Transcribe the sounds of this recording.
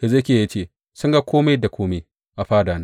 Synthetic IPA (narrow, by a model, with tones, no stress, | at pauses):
ka˨ze˦kʲeː˨ja˦t͡ʃeː˦˨ | sʊ˦ŋɡa˦kʷoː˦ma˦da˨kʷʰoː˦me˦ | ʔa˨ɸaː˦daː˨na˦